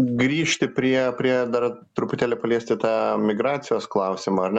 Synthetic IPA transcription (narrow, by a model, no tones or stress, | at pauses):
ɡɾʲiːʃʲt̪ʲɪpʲɾʲiɛpʲɾʲiɛd̪ɐrt̪ɾʊpʊt̪ʲæːlʲɪpɐlʲiɛsʲt̪ʲɪt̪ɑːmʲɪɡɾɑːt̪sʲɪjoːsklˠɐʊsʲɪmoːɐɾnʲ